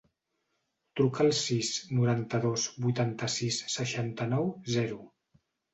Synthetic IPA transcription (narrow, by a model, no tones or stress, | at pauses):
t̪ɾukəːlˠsisnuɾant̪əðozbujt̪ant̪əsisːəʃant̪ənɔwzɛɾu